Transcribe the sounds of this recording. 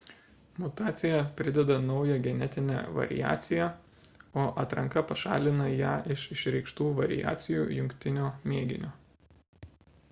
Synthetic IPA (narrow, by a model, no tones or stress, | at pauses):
mʊt̪ɑːt̪sʲɪjɛpʲɾʲɪd̪ʲɛd̪ɐnɒʊjɛɡʲɛnʲɛt̪ʲɪnʲɛ̰ʋɐ̰ɾʲɪ̰jæ̰ːt̪sʲɪjæ | oːʔɐt̪ɾɐŋkɐpɐʃɑ̰ːlʲɪnɐjæːʔɪʃɪʃɾʲɛɪkʃt̪uːʋɐɾʲɪ̰jæ̰ːt̪sʲɪjuːjʊŋʲkʲt̪ʲɪnʲoːmʲeːɡʲɪ̰nʲoː